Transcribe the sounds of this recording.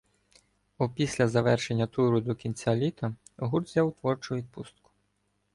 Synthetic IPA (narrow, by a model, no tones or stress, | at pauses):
ɔpʲisʲlʲɐzɐʋɛrʃenʲːɐt̪uɾʊd̪ɔkʲinʲt͡sʲalʲit̪ɐ | ɦurd̪zʲjawt̪ʋɔrt͡ʃʊʋʲid̪̚pust̪kʊ̥